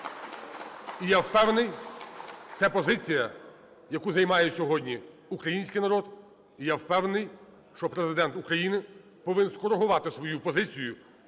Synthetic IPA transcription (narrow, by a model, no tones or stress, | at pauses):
ijawpɛwnɪj | t̪sɛpɔzɪt͡sʲijɐ | jɐkuzɐjmɑjɛsʲɔɦɔdʲnʲi | ukɾɐjinʲsʲkɪjnɐɾɔd̪ | ijawpɛwnnɪj | ʃt͡ʃɔpɾezɪd̪ɛnt̪ukɾɐjinɪ | pɔʋɪnskɔɾeɦʊʋɑt̪ɪsʋɔjupɔzɪt͡sʲijʊ